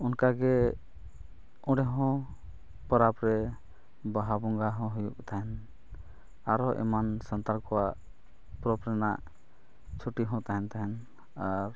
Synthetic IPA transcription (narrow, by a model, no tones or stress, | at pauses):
unkaɡɛ | ɔ̃ɖɛɦɔ̃ | pɔɾapɾɛ | baɦabɔŋɡaɦɔ̃ɦujuk̚t̪aɦɛn | aɾɔʔɛ̰mansant̪aɾkɔwaʔ | pɾɔpɾɛnaʔ | t͡ʃʰuʈiɦɔ̃t̪aɦɛnt̪aɦɛn | aɾ